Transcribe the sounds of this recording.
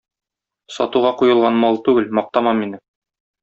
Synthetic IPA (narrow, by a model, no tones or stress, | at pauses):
sɒ̰t̪uʁɑqujɤ̆lˠʁɑnmɑlˠt̪ʉɡɘlmɒq̚t̪ɑmɑminɘ